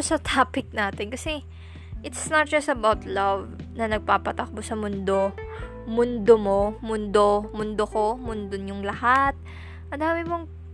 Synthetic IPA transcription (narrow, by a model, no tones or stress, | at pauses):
osɐt̪aːpɪk̚naːt̪ɪnkɐsɛ | ʔɪt̪snɐt̪̚d͡ʒɐsɐbawt̪lɐvnɐnɐɡ̚paːpɐt̪ɐk̚bosɐmʊnd̪o̞ | mʊnd̪omo̞mʊnd̪omʊnd̪oko̞mʊnd̪onjʊŋlɐhat̪̚ | ʔɐnd̪aːmɪmoŋ